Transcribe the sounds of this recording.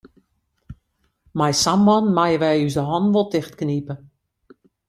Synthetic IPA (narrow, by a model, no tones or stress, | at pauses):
majsamːɔnmajəʋɛjyzəɦɔnʋolˠtɪxtknipə